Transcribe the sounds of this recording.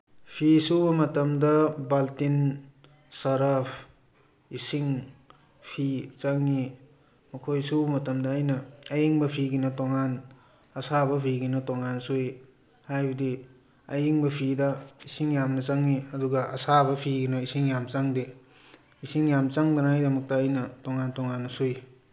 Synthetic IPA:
pʰisubɐmɐtɐmdɐbaltin | sɐɾɐpʰ | isiŋ | pʰit͡ʃaŋːi | mɐkʰojsubɐmɐtɐmdɐːjnɐːjiŋbɐpʰiɡinɐtoŋan | ɐsabɐpʰiɡinɐtoŋansuj | hajbɐdi | ɐjiŋbɐpʰidɐisiŋjamnɐt͡ʃaŋːiɐduɡaʔɐsabɐpʰiɡinɐisiŋjamt͡ʃaŋde | isiŋjamt͡ʃaŋdanajdɐmɐk̚tɐːjnɐtoŋantoŋanːɐsuj

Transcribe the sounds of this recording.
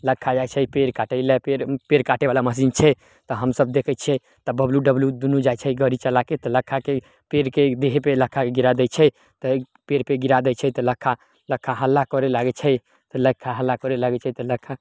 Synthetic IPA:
ləkʰːad͡ʒajt͡ʃʰəpeɾkaʈəɪlepeɾpeɾkaʈeʋalaməs̬int͡ʃʰɛ | t̪ɔɦəmsəb̚d̪ekʰɛt͡ʃʰɛ | t̪ɔbəbljuɖəbljud̪unud͡ʒat͡ʃʰɛɡəɾit͡ʃəlaket̪ɔləkʰːake | peɾked̪eɦepeləkʰːakeɡiɾad̪ɛt͡ʃʰɛ | t̪ɔ | peɾpeɡiɾad̪ɛt͡ʃʰɛt̪ɔləkʰːa | ləkʰːaɦəlːakɔɾelaɡɛt͡ʃʰɛ | t̪ɔləkʰːaɦəlːakɔɾelaɡɛt͡ʃʰɛt̪ɔləkʰːa

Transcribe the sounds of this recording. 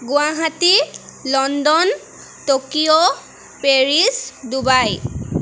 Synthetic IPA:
ɡʊwaɦatilɔndɔn | tokio | peɹisdubaj

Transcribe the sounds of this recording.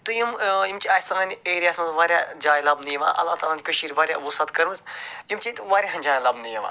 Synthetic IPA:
t̪ujimjimt͡ʃiɐsãːnieːɾijaːsmɐzʋaːɾjaːd͡ʒaːjlɐbnijʋa̰ːʔɐ̰lːaːt̪aːlãnd͡ʒikəʃiːɾʲʋaːɾʲja̰ːʋusat̪kɐɾmɨzjimt͡ʃit̪ʋaːɾʲjaːɦɐnd͡ʒaːjlɐbnijiʋa̰ː

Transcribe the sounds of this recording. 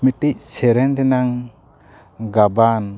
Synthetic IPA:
miʈic̚sɛɾɛnɖɛnaŋ | ɡaban

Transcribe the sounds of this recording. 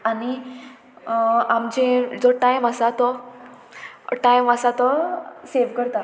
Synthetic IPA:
ani | amd͡ʑẽd͡zɔʈajməsat̪ɔ | ʈajməsat̪ɔseʋkəɾt̪a

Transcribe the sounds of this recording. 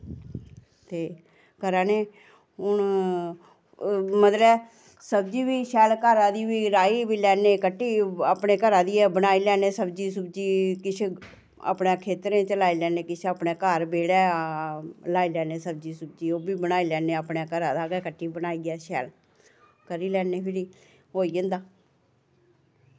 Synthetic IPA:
t̪eː | kəɾaːneː | ɦʊn | mət̪ləb | səbd͡ʒiːbiːʃɛːlkəɾãːd̪iːbiːɾaːiːbiːlɛːneːkəʈːiːaːpneːkəɾãːd̪iːɛbənaːiːlɛːneːsəbd͡ʒiːs̬ʊbd͡ʒiːkɪt͡ʃʰe | a̰ːpneːkʰeːt̪ɾẽːt͡ʃəlaːiːlɛːneːkɪt͡ʃʰeaːpneːkəɾbeːɽɛː | laːiːlɛːneːsəb̚d͡ʒiːsʊb̚d͡ʒiːoːbiːbənaːiːlɛːneːapneːkəɾaːd̪aːɡɛːkəʈʰːiːbənaːiːɡɛːʃɛːl | kəɾiːlɛːneːpʰɪɾiː | ɦoːiːə̃nd̪aː

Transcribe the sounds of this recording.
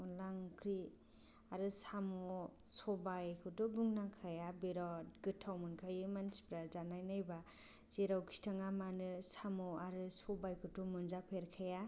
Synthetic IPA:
ulaŋkʰɾi | aɾɯsamɔsɔbajkʰɯtɔbuŋnakʰajabeɾɔtɡɯtʰawmɯnkʰajɯmansi̥pɾazanajnajba | z̥eɾawkʰi̥tʰaŋamanɯsamɔaɾɯsɔbajkʰɯtɔmɯnzapʰeɾkʰaja

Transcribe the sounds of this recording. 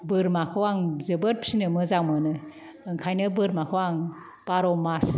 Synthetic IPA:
bɯɾmakʰɔwaŋzɯbɯɾ̚pʰi̥sinɯmɯzaŋmɯnɯ | ɯŋkʰajnɯbɯɾmakʰɔwaŋ | paɾɔmas

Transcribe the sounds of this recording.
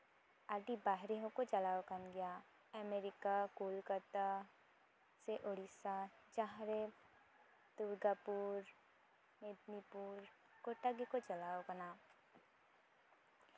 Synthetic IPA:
aɖibaːɦɾeɦõkot͡ʃɐlaːʋkənɡɪjaː | əmeːɾɪkakoːlkəɾt̪a | seʔoɽisad͡ʒaɦɾe | t̪ʊɾɡapuːɾ | med̪nipuːɾ | koʈaɡekot͡ʃɐlaːʋkɐnaː

